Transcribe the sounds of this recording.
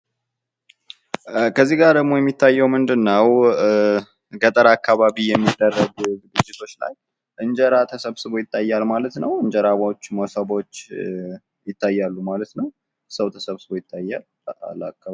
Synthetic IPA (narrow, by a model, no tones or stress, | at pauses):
kʰəzːiɡaɾd̪əɡmo̞jɛmːit̪ʰːajːɛwmɨnd̪ɨnːəw | ɡət̪ʼəɾakːaβaβijɛmːid̪ːərːəɡɡɨɡɨd͡ʒːɪt̪ʰo̞t͡ʃːla̰j | ʔɨnd͡ʒəɾat̪ʰəsəβsɨβo̞jɪt̪ʼːajːalmalət̪nəwɨɲd͡ʒəɾaβot͡ʃːmosəβo̞t͡ʃː | jɪt̪ːajːalːumalət̪nəw | səwt̪ʰəsəβsɨbo̞jɪt̪ʰːajːal | a̰lakʰːa